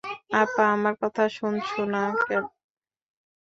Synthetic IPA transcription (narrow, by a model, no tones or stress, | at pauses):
apaamaɾkɔt̪ʰaʃunt͡ɕʰonakɛno